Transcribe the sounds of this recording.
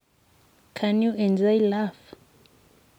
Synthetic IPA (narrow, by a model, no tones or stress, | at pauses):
kʰanjuʔɛ̃nzajlaf